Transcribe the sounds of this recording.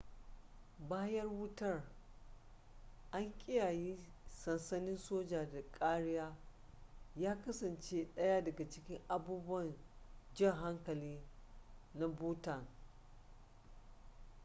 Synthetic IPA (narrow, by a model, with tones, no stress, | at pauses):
baː˦jɐ˦rwʊ˦tɐ˦r | ʔa˦ŋkʲʼɪ˦jaː˨jiː˦sɐ˨nsɐ˦nɪ˦nsoː˦d͡ʒaː˨da˨kʼaː˦ɽɪ˦jaː˦ | jaː˦kɐ˦sɐ˨nt͡ʃe˦ɗɐ˦ja˦dɐ˨ɡa˨t͡ʃɪ˦kʲɪ˦ŋʔa˨buː˦bʊ˦ɐ˦˨nd͡ʒɪ˦˨ŋɦa˦ŋkɐ˨liː˦ | na˦buː˦tɐ˨ŋ